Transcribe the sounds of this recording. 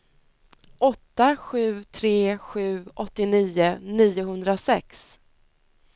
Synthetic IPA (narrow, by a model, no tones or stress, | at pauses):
ʔɔt̪ːaɧʉ̟ːt̪ʰɾeːɧʉ̟ːʔɔt̪ːɪniːʊniːʊɦɵnd̪ɾasɛks